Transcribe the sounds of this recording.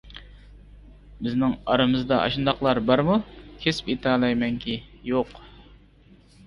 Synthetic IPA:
bɪznɪŋɑɾɨmɨzd̪ɑʔɑ̰ʃɨnd̪ɑqlˠɑɾbɑɾmukʲʰespit̪ʰɑlˠɑjmɛŋkʲʰijoq

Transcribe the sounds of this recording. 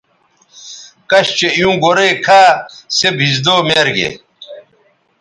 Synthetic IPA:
kɐɕt͡ɕejũːɡoɾekʰaːsebʱizd̪oːmeːɾɡḛ

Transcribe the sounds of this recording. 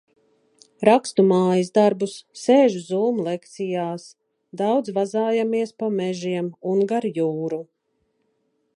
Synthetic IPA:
ɾakst̪umaːjisd̪aɾbusːeːʒuzuːmulˠɛkt̪sijaːs | d̪awd̪zvazaːjamiɛspamɛʒiɛmunɡaɾjuːɾu

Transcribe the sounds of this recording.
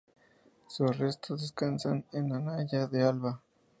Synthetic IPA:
surest̪oðeskansanenːanaʝaðealβa

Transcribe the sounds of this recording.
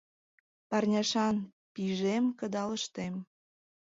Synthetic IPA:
pɑrnʲɑʃɑn | piʒemkəd̪ɑləʃt̪em

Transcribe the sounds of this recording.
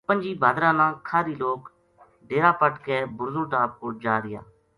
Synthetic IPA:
pənd͡ʒiːbʱaːd̪ɾãːnãːkʰaːɾiːloːk | ɖeːɾaːpəʈkeːbʊɾzõːʈaːp̚koːd͡ʒaːɾɪja̰ː

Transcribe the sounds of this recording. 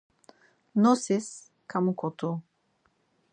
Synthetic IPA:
nɔsis | kamukɔt̪o

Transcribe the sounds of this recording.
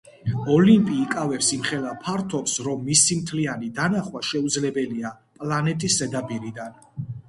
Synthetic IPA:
ɔlimpʼiːkʼavɛpsimχɛlapʰaɾt̪ʰɔpsɾɔmːisimt̪ʰlianid̪anaχwaʃɛud̪zlɛbɛlia | pʼlˠanɛt̪ʼiszɛd̪abʼiɾid̪an

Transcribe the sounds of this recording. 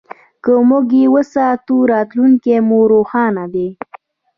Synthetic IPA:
kəmʊɡiwəsat̪uɾɑːt̪luŋkemoɾoxɑːnad̪e

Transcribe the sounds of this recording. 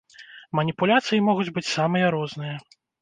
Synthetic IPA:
mɐnʲipulʲat̪sɨjimɔɣud͡zʲbɨt͡sʲsamɨjɐɾɔznɨjɐ

